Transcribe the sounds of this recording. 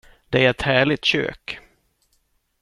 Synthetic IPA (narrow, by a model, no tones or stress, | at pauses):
d̪̥ɛæɾɛt̪hæːɭɪt̪ɕø̰ːk